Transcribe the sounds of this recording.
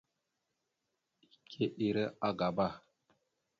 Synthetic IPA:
i˨kʰe˦ʔi˨ɾə˦a˦ɡa˨ba˦˨

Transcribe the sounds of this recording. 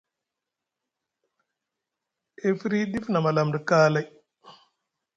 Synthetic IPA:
e˦fɾi˦d̪i˦fna˨ma˨la˨mɾi˨kaː˦la˨j

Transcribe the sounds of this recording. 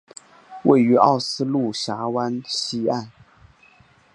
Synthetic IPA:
wḛ˥˩ɪy˧˥ʔɑ̰˥˩ʊsɹ̩˥lu˥˩ɕja˧˥wa˥nɕi˥a˥˩n

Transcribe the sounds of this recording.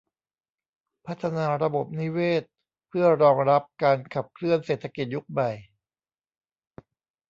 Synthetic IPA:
pʰa˦˥t̪ʰːa˧naː˧ɾa˧bo˨˩p̚ni˦˥weː˥˩t̪̚ | pʰɯ˥˩ɐɾɔː˧ŋɾa˦˥p̚kaː˧nkʰa˨˩p̚kʰlɯ˥˩ənseː˨˩t̪ʰːa˧ki˨˩t̪̚ju˦˥k̚ma˨˩j

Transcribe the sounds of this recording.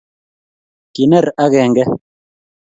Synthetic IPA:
ki˨nɛ˦˨ɾa˦ɣɛ˦˨ŋɡɛ˦

